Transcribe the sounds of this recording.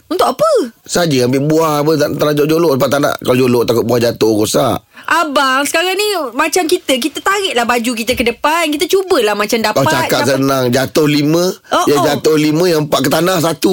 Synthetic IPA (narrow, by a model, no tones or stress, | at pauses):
unt̪ʊʔkapəsad͡ʒəambɪʔbuahapəat̪aɾad͡ʒod͡ʒoloʔsəpaʔt̪ana̰hkalod͡ʒoloʔt̪akʊt̪̚buahd͡ʒat̪ohɡosa̰ʔʔabaŋsə̥kaɾaŋnimat͡ʃamkit̪ək̬it̪ət̪aɾɪʔlahbad͡ʒuk̬it̪əkədəpankit̪at͡ʃubəlahmat͡ʃamdapat͡ʃakat̪sənaŋd͡ʒat̪ʊhlimə̃ɔjad͡ʒat̪ʊhlimə̃japaʔkət̪anahsat̪u